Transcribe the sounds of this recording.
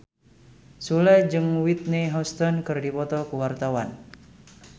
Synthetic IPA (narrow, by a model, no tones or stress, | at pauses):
sulɛd͡ʒɨŋwit̪̚neɦɔst̪ɔnkɨrdipɔt̪ɔkuwart̪awan